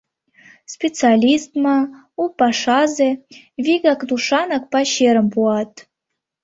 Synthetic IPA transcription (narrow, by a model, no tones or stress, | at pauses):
spʲet͡sɨalʲist̪mɑ | upɑʂɑze | vʲiɡɑkd̪uʂɑnɑk̚pɑɕeɾə̆mpuɑt̪